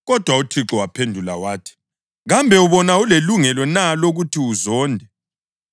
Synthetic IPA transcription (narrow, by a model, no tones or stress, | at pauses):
ɣɔd̥ʱwautʰiǁɔwapʰendʱula̰waːtʰi̥ | ɣambʱɛuβɔnauleluŋɛlɔnaloɣutʰiuzɔːndʱɛ